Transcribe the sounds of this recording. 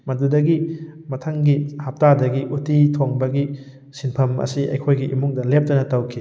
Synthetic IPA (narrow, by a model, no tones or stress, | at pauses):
mɐndudɐɡimɐtʰɐŋɡihap̚tadɐɡiʔutitʰoŋbɐɡi | sinpʰɐmɐ̰siʔɐ̰jkʰojɡiʔimuŋdɐlep̚tɐnɐtɐwkʰi